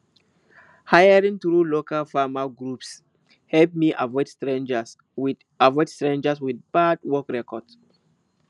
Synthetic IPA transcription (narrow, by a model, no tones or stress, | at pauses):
hajəɹĩŋθɹulokalfamaɡɹups | hɛlp̚miʔa̰vɔɪd̥stɹẽnd͡ʒas | w | avɔɪdstɹẽnd͡ʒaswiðb̥ad̚wɔkɹɛkɔd̥s